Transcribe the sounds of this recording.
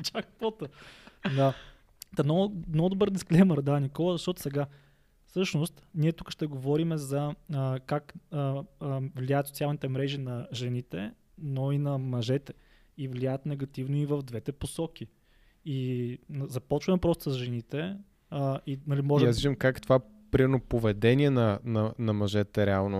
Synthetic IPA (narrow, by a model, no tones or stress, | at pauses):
t͡ʃakp̪ɔt̪əd̪a | t̪ɛnɔnɔd̪obəɾd̪isklɛməɾd̪anikɔlˠəzɐʃt̪ɔt̪ʊ̥sɛɡa | fsɤʃnost̪nʲiɛt̪ukə̥ʃt̪ɛɡovɔɾimɛzɐəkak | vliajət̪sot̪sʲialˠnit̪ɛmɾɛʒinɐʒɛnit̪ɛ | noinɐmɐʒɛt̪ɛ̥ | ivlijajət̪nɛɡɐt̪ivnoivəvd̪vɛt̪ɛposɔk̟ʲi | inzɐpɔt͡ʃvɐmɛpɾɔst̪o̥səsʒɛnit̪ɛ | inɐlimɔʒjɛasviʒəmkakt̪ova | pɾimɛɾnopovɛd̪ɛniɛnɐnɐnɐmɐʒɛt̪ɛɾɛalˠno